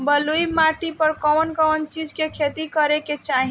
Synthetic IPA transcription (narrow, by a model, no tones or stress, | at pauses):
bəluimaʈipəɾkɔwnkɔwnt͡ʃid͡ʒkekʰet̪ikəɾeket͡ʃaɦi